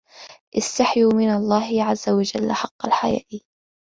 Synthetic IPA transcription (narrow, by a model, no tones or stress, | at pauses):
ʔɪst̪aħjuːmɪnalˤːɑːɦɪʕazːawad͡ʒalːħɑqːɑlħaja̰ːʔi